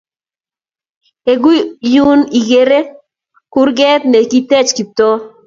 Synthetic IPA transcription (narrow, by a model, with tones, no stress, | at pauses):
e˨ɡu˦ju˦ni˨ɡe˨ɾe˦ | kʊ˦rɡɛ˦t̪ne˨ki˦tɛ˦t͡ʃki˨t̪o˦